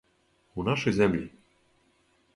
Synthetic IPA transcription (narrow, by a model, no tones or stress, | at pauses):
unaʃɛjzɛmlʲḭ